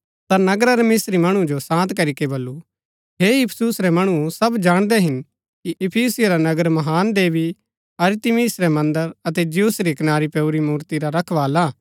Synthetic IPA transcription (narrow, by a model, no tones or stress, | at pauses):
t̪anɐɡɾaɾemeːsɾimɐɽ̃ũd͡ʒosãːnt̪kɐɾikebɐlːu | ɦeːɪpʰsusɾɛmɐɽ̃ũsɐbd͡ʒaːɽ̃d̪ɛɦɪn | kiʔɪpʰiːsɪjɾanɐɡəɾmɐɦaːnd̪eːʋi | ɐɾt̪ɪmiːsɾɛmɐ̃nd̪əɾɐt̪ɛd͡ʒɪjusɾikɐnaːɾipeuɾimuːɾt̪iɾaɾɐkʰʋaːlaː